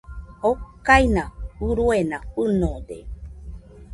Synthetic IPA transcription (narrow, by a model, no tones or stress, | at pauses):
hokajnãuɾuenãpɨnõd̪ḛ